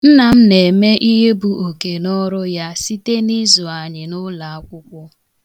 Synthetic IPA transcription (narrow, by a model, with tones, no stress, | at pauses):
n̩˦na˨m̩˦ne˨me˦ʔi˦ɦe˦bu˨o˨ke˨nɔ˦ɾʊ˦ja˦si˦te˦ni˦zʊ˨a˨ɲɪ˨nʊ˦la˨a˦kʷʊ˦kʷʊ˦